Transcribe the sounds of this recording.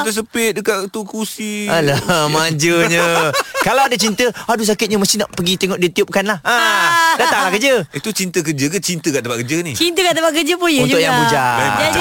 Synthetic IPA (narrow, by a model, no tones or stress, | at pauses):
t̪əs̬əpɪt̪̚dəkatt̪ukusilamaɲd͡ʒəɲə̃kalawadat͡ʃint̪əadus̬akɪt̪̚ɲəməst̪ihna̰ʔpəɡit̪eŋɔʔdit̪iup̚kanlahədat̪aŋlahkəd͡ʒəit̪ut͡ʃint̪ək̬ərd͡ʒək̬ət͡ʃint̪əkaʔt̪əpaʔkəd͡ʒənit͡ʃint̪əkaʔt̪əbaʔkəd͡ʒəpununʊkjaŋbud͡ʒa